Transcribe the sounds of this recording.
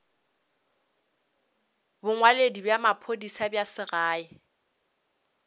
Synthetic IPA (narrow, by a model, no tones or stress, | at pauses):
bʊŋwaledibjamapʰodisabjasɪɣaːɪ